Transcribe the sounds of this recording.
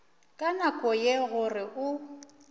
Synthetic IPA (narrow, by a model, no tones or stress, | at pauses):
kʼanakʼɔjeɣʊrɪʔʊ